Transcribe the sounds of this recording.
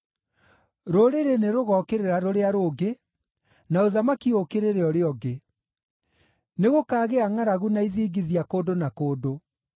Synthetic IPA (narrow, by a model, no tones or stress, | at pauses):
ɾoɾeɾeneɾoɣɔːkeɾeɾaɾoɾeaɾoːɡe | naoðamakiokeɾeɾeɔɾeɔɡe | neɣokaːɣeaŋaɾaɣunaiðiːɡiðiakoːdonakoːdo